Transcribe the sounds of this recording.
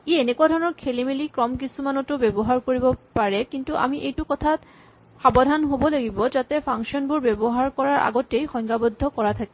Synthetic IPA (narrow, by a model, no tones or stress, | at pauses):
eenekuadʱɔɹɔnɔɹkʰelimilikɹɔmk̬isumanɔtʊbebɔɦaɹkoɹibɔpaɹɛkintuʔa̰miʔejtukɔt̪ʰat | xabɔdʱanɦobɔlaɡibɔzat̪ɛpʰaŋkʃɔnbuɹbebɔɦaɹkɔɹaɹʔa̰ɡɔtejxɔjŋkabɔd̪ʱːɔkɔɹat̪ʰake